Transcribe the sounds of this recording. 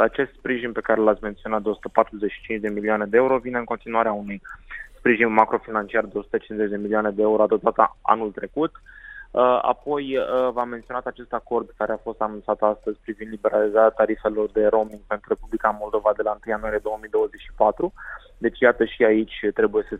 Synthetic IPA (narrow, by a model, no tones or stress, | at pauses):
at͡ʃe̞st̪spɾiʒinpe̞kaɾelat̪sʲme̞nt̪sioat̪d̪eosu̥t̪ə̥pat̪ɾuzet͡ʃʃi̥t͡ʃint͡ʃʲd̪e̞milioane̞d̪eeuɾo̞vine̞ɨŋko̞nt̪inuaɾeaunujspɾiʒinmakɾo̞finant͡ʃiard̪eosu̥t̪ət͡ʃinze̞t͡ʃʲd̪emiliuane̞d̪eeuɾo̞at̪ot̪at̪a̰a̰nult̪ɾe̞kut̪əa̰po̞jəvammːe̞nt̪sio̞nat̪at͡ʃe̞st̪ako̞rd̪̚kaɾeafo̞st̪anunt̪sat̪ast̪əzʲpɾivind̪libe̞ɾalizaɾeat̪aɾife̞lo̞rd̪e̞ɾo̞miŋɡ̚pent̪ɾuɾe̞publikamo̞ld̪o̞vad̪e̞lant̪ɨjanuwaɾije̞d̪o̞woəmid̪owəze̞t͡ʃʃi̥pat̪ɾu | d̪e̞t͡ʃʲjat̪əʃiait͡ʃʲt̪ɾe̞buje̞sə